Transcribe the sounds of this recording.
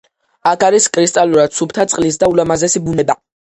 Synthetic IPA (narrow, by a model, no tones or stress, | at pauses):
akʰaɾiskʼɾist̪ʼaluɾad̪̥supt̪ʰat̪sʼqʼlis̬d̪aulamazɛsibunɛba